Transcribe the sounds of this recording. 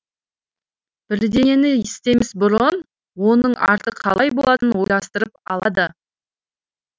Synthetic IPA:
b̥ɪɾd̪e̞e̞nɪɪst̪e̞mɪzbʊɾəʁən | wo̞nəɴʔɑ̰ɾt̪əqʰːɑ̰lˠɑjbo̞lˠɑt̪ənwo̞jlˠɑst̪əɾəp̚ɑlˠɑd̪ə

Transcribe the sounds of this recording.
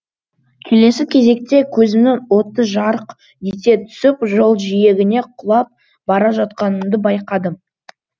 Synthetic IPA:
kʲʰe̞le̞sɪkʲʰe̞ze̞k̚t̪e̞kʲʰɵzɪmnɪŋwo̞t̪əʒɑɾəq | d̪et̪e̞t̪ʰʏ̥sɪpʒo̞lˠʒije̞ɡʲɪne̞qʰʊlˠɑp̚ | bɑɾɑʒɑt̪̚qɑnəmd̪əbɑjqɑd̪əm

